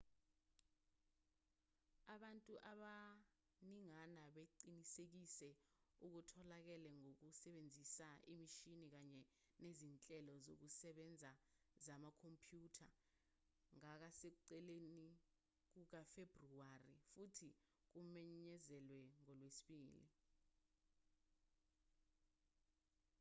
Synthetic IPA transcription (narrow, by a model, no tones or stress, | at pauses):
aɓantʼuʔaɓa | niŋanaɓeǃinisek̬isɛuk̬utʰɔlak̬ɛlɛŋok̬usɛɓend͡zʱisaimiʃinik̬aɲɛ | nezint͡ɬʼɛlɔzo̰k̬usɛɓɛnd͡zʱa | zamakʰompʰjuːtʰa | ŋak̬asek̬uǀɛleni | k̬uk̬afebruarḭfutʰi | k̬umɛɲɲɛzɛlwɛŋɔlwesi̥ɓiːlḭ